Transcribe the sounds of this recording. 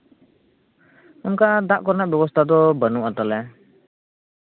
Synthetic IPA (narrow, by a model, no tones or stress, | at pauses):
ɔmkad̪aʔkɔɾnabjɛbɔst̪ʰad̪ɔbənuʔat̪alɛ